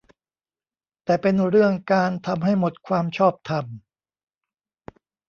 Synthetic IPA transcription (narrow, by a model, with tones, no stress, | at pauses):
t̪ɛː˨˩pe˧nɾɯ˥˩əŋkaː˧nt̪ʰa˧mɦa˥˩jmo˨˩t̪̚kʰwaː˧mt͡ɕʰɔː˥˩p̚t̪ʰa˧m